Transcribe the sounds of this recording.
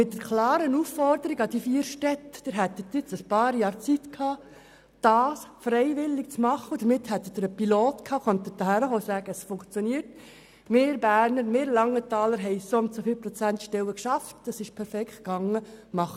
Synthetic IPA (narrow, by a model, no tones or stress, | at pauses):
mɪt̚dəɾkʰlɑːɾənufːɔɾdəɾiɡɑd̥ifiːɾʃtɛtd̥əɾɦɛt̪ːət̪ɪt͡səspɑːɾjɑːɾt͡sitkʰhɑː | d̥ɑːsfɾɛɪʋɪlːɪk̚t͡smɑχːəʊd̥̪əɾmɪt̪hɛt̪ːəd̥̪əɾəpiloːt̪kʰhɑːχœnt̪əd̥ɑhæɾəfɔsæːɡ̥əəsfʊŋkt͡sjɔniːəɾt | mɪːɾbæːɾnəɾmɪːɾlɑŋːətɑːləɾɦɛɪsontsofiːlpɾɔt͡sæntʃtɛwəkʃɑftɑsɪʃpʰɛɾfɛkχt̚ɡ̥ɑŋːəmɑχə